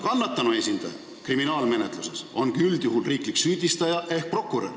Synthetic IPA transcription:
kɑnːɑt̪ːˑɑnue̞sʲind̪̥ɑ̰jɑ̰ | kriminɑːlme̞net̪ˑluseso̞nkyld̪̥juɦulriːkliksyːd̪̥ʲist̪ɑjɑʔe̞hk̚pro̞kːˑuɾe

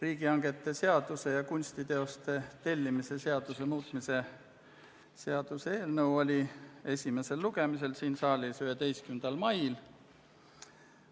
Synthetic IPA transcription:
riːɡ̥iɑŋɡ̥e̞t̪ːˑe̞se̞ɑd̪̥use̞jɑkunʲsʲt̪it̪e̞o̞st̪e̞t̪e̞lʲːimise̞se̞ɑd̪̥use̞muːt̪ˑmise̞ | se̞ɑd̪̥useeːlnɤwo̞lʲie̞sʲime̞se̞lːuɡ̥e̞mis̬e̞lsiːnsɑːlʲisyɦe̞d̪e̞jskymnd̪̥ɑlmɑjl

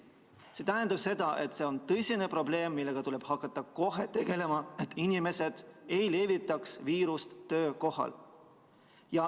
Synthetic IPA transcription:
se̞t̪æɦend̪ɑb̥se̞d̪̥ɑʔe̞t̪ːˑse̞o̞nt̪ɤsʲine̞pro̞ble̞ːmːilːe̞ɡ̥ɑt̪uleb̥hɑkːˑɑt̪ːˑɑko̞ɦe̞t̪e̞ɡ̥e̞le̞mɑet̪ːˑinime̞se̞d̪̥e̞jle̞vit̪ːˑɑksviːɾust̪ːø̞ːko̞hɑ̰l | jɑ

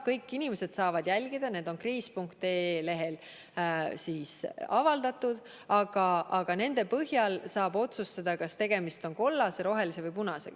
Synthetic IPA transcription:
kɤjkˑːinimese̞d̪̥sɑːvɑd̪̥jælʲɡ̥id̪̥ɑne̞ːd̪̥o̞nkriːspuŋkt̪eːle̞ɦe̞l | siːsɑvɑld̪̥ɑt̪ːud̪̥ | ɑɡ̥ɑʔɑɡ̥ɑne̞nd̪e̞pɤhjɑlsɑːbo̞t̪sust̪ɑd̪̥ɑkɑst̪e̞ɡ̥e̞mist̪o̞nko̞lːɑseɾo̞ɦe̞lise̞vɤjpunɑsḛɡ

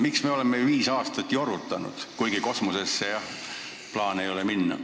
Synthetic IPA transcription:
miksme̞o̞lemːe̞viːsɑːst̪ɑt̪ʲˑːjo̞ɾut̪ːˑɑnṵd̪̥kujɡ̥iko̞smuse̞sːejɑh | plɑːnejo̞leminːɑ̰

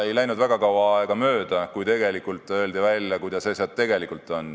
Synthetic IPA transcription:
e̞jlæjnud̪væɡ̥ɑkɑwɑɑeɡ̥ɑmø̞ːd̪̥ɑkujt̪e̞ɡ̥e̞likːˑult̪ːˑø̞ːld̪ivælʲjɑkujd̪̥ɑsesɑd̪̚t̪ːe̞ɡe̞likːˑult̪ːˑo̞n

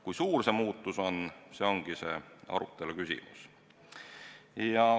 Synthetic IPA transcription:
kujsuːrse̞muːt̪ˑːuso̞nse̞o̞ŋɡ̥ise̞ɑ̰ɾṵt̪ːˑe̞lukysʲḭmṵs | jɑ

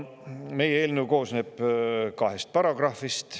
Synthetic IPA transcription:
me̞jeeːlnewko̞ːsneːb̥kɑɦest̪̚pɑɾɑɡ̥rɑfist̪

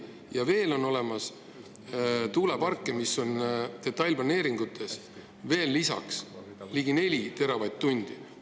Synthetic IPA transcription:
jɑve̞ːlo̞nːo̞le̞mɑs | t̪uːlepɑrkːˑemiso̞nt̪e̞t̪ːˑɑjlplɑne̞ːɾiŋɡ̥ut̪ʰːˑe̞s | ve̞ːlːisɑ̰ks | liːɡine̞lʲit̪e̞ɾɑvɑjd̪t̪ːunʲd̪̥i

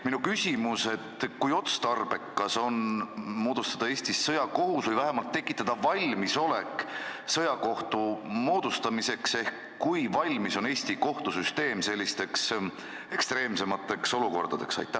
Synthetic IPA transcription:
minukysʲimuse̞t̪ːkujo̞t̪st̪ɑrb̥e̞kːɑso̞nmo̞ːd̪̥ust̪ɑd̪̥ɑe̞ːsʲt̪isːɤjɑko̞ɦusvɨjvæɦemɑlt̪ːe̞kːˑit̪ːˑɑd̪̥ɑvɑlʲmiso̞le̞ksɤjɑko̞ht̪umo̞ːd̪̥ust̪ɑmise̞kse̞hkːujvɑlʲmiso̞neːsʲt̪iko̞ht̪usyst̪e̞ːmse̞lʲːist̪e̞ks | e̞kst̪ɾe̞ːmse̞mɑt̪ːˑe̞kso̞luko̞̰rd̪̥ɑd̪̥e̞ksɑ̰jt̪ːˑæh

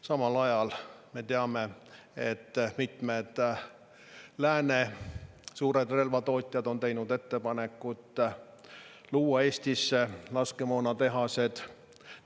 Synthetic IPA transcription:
sɑmɑlɑjɑlme̞t̪eɑme̞ | et̪ːmit̪me̞d̪̥ | læːne | suːɾe̞d̪̥re̞lvɑt̪o̞ːt̪ʲˑjɑd̪o̞nt̪e̞jnud̪e̞t̪ːe̞pɑne̞kːˑut̪ːˑ | luːwːɑe̞ːsʲt̪isːelɑskemoːnɑt̪e̞ɦɑse̞d̪̥

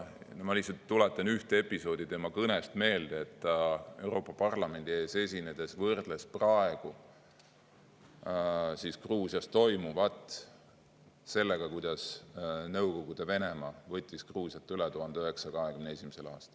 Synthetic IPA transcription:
nmɑlisɑt̪ːulet̪ːˑɑnyht̪ee̞pːˑiso̞ːd̪̥it̪e̞mɑkɤne̞st̪me̞ːld̪̥eet̪ːˑe̞wɾo̞ːpːˑɑpɑrlɑme̞nd̪ie̞ːse̞sʲine̞d̪̥e̞svɤrd̪̥lesprɑe̞ɡ̥u | siskruːsijɑst̪t̪o̞jmuvɑt̪ːˑ | se̞lːe̞ɡ̥ɑkujd̪̥ɑsnɤwko̞ɡ̥ud̪̥e̞ve̞ne̞mɑːvɤt̪ʲːiskruːsijɑt̪ːˑylɛt̪uɦɑnd̪eøɦe̞ksɑkɑɦe̞kymnee̞sʲimise̞lɑ̰ːst̪ɑ̥l

